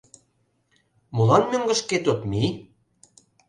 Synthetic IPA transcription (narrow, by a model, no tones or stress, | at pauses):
mulɑnmø̆ŋɡə̆ʃket̪ot̪mi